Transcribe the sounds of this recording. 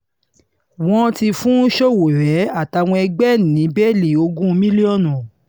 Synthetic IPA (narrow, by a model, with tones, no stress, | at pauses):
w̃ɔ̃˧ti˧fũ˦ʃo˦wo˨ɾɛ˨˦a˦˨ta˧w̃ɔ̃˧ɛ˧ɡ͡bɛ˦˨nĩ˨˦bɛ˦˨li˨o˧ɡũ˦˧˦mĩ˦li˦ɔ˦˨nũ˨